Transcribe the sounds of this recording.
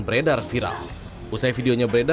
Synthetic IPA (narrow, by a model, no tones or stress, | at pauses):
bəɾedarfiɾa̰l | usajfidioɲabəɾeda